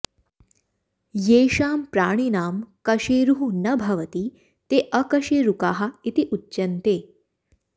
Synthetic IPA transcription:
jeːʃaːmpɾaːɳ̃inaːmkɐʃeːɾuɦunɐbʱɐʋɐt̪i | t̪eːʔɐkɐʃeːɾukaːɦɐ̆it̪iʔutːt͡ʃɐnt̪eː

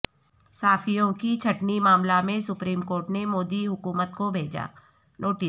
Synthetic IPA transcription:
saːfijõkit͡ʃʰɐʈnimaːmlamẽsʊpɾiːmkoːɾʈnemoːd̪iɦʊkuːmət̪̚kobʱeːd͡ʒa̰ː | noːʈi

